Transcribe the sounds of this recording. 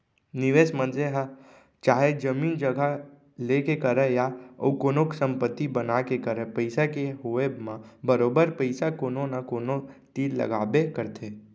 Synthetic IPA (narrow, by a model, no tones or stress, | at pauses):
nɪʋeːsmənd͡ʒeɦə | t͡ʃaːɦed͡ʒəmiːnd͡ʒəɡʱa | lekekəɾəjaə̰ukonoksə̃mpət̪ːibənakekəɾəpəɪsakeɦoebmãbəɾoːbəɾpəɪsakononakonot͡ʃiːd̪lə̰ɡaːbekəɾt̪ʰe